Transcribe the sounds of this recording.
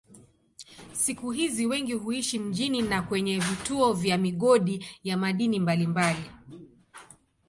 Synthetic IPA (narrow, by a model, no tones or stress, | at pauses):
sikuɦiziwɛŋɡihuiʃim̩ʄininakwɛɲɛvituɔvjamiɠɔɗijamaɗinimbalimbali